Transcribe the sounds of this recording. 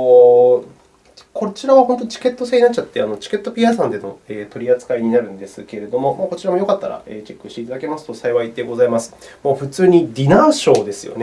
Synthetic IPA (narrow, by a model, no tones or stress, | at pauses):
kʰo̞t͡ɕiɾaβaho̞nt̪o̞t͡ɕi̥ke̞t̪ːo̞seːɲinat͡ɕːt͡ɕat̪ːe̞ano̞t͡ɕi̥ke̞t̪ːo̞pʲiasãnd̪e̞no̞̰e̞ːt̪o̞ɾʲiat͡sɨ̥kaiɲ̟inaɾɯ̟̃nd̪e̞sɨke̞ɾe̞d̪o̞mo̞mako̞t͡ɕiɾamo̞jo̞kat̪ːaɾa̰e̞ːt͡ɕe̞kːɯ̟ɕt̪e̞it̪ad̪ake̞masɨ̥t̪o̞saiβaid̪e̞ɡo̞zaimasɨ̥mo̞ːɸɯ̟t͡sɨːɲ̟id̪ʲinaɕo̞ːd̪e̞sɨjo̞̰ne